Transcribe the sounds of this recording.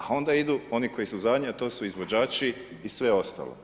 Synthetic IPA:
ao̞nd̪aid̪uo̞niko̞jisuzad̪ɲeat̪o̞ːsuizʋo̞d͡ʒaːt͡ʃiː | sʋeo̞st̪a̰ːlo̰

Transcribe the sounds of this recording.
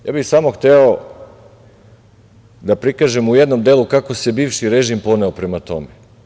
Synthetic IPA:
ja̰ːbixsaːmo̞xt̪eo | d̪apɾikaʒemuje̞d̪nomd̪eːlˠukako̞se̞biːʋʃiɾeʒimpo̞ne̞opɾe̞mat̪o̞̰me

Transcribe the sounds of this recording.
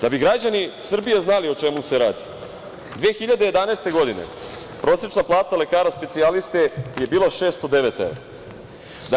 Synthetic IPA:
d̪abiɡɾad͡ʑanisr̩bijeznalio̞t͡ʃe̞muse̞ɾaːd̪i | d̪ʋeːxiʎad̪eje̞d̪anaeːst̪e̞ɡo̞d̪inḛ | pɾo̞ːsɾet͡ʃnaplˠaːt̪ale̞kaːɾaspe̞t̪sialist̪e̞je̞biːlˠaʃe̞ːst̪od̪e̞ʋet̪ḛʋe | d̪

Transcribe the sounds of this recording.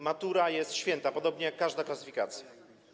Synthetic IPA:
mat̪uɾajɛst̪ɕfʲjɛnt̪apɔd̪ɔbɲɛjakːaʐd̪aklasɘ̥fʲikat̪sʲja

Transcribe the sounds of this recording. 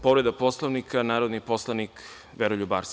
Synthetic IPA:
po̞ʋɾed̪apo̞slˠoʋnikʰanaːɾod̪nipo̞slˠanik | ʋeɾoʎubaːɾs

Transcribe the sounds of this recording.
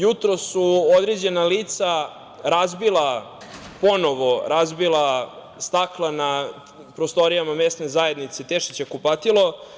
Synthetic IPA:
jut̪ɾosːuod̪ɾed͡ʑe̞naliːt̪sa | ɾazbilˠa | po̞noʋo̞ɾazbilˠa | st̪aklˠana | pɾost̪o̞ɾijamame̞st̪ne̞zaje̞d̪nit̪set̪eʃit͡ɕekupat̪ilo̞

